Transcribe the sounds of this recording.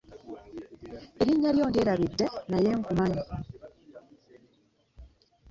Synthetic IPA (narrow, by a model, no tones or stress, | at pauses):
eɾiɲːaljoːndieːɾaβidːenaje̞ŋkumaɲi